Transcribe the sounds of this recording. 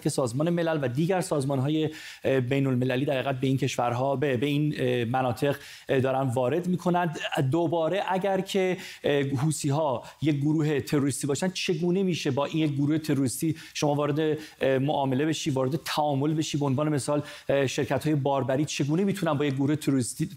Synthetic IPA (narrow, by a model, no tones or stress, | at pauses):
kʰʲe̞sɒːzmɒːne̞me̞lælvæd̪iːɟæɾsɒːzmɒːnɦɒːje̞ | bejno̞lme̞læliːd̪æɾhæɣæt̪̚be̞iːncʰe̞ʃvæɾɦɒːbebe̞iːnmænɒːt̪ʰe̞ɣ | d̪ɒːɾænvɒːɾe̞d̪miːkʰo̞nænd̪d̪obɒːɾe̞ʔæɟæɾcʰe̞ | ɦuːsiːɦɒː | jec̚ɡoɾuːɦe̞t̪ʰe̞ɾo̞ɾist̪iːbɒːʃænd̪̥t͡ʃʰe̞ɡuːne̞miːʃe̞bɒːʔinjec̚ɡoɾuːhe̞t̪ʰe̞ɾoɾist̪iː | ʃo̞mɒːvɒːɾe̞d̪e | moʔɒːme̞le̞be̞ʃiːvɒːɾe̞d̪e̞t̪ʰæʔɒːmo̞lbe̞ʃiːbeonvɒːneme̞sɒːl | ʃe̞ɾcʰæt̪hɒːje̞bɒːɾbæɾiːt͡ʃʰe̞ɡuːnemiːt̪ʰunænbɒːjec̚ɡoɾuːhet̪ʰeɾoɾist̪iː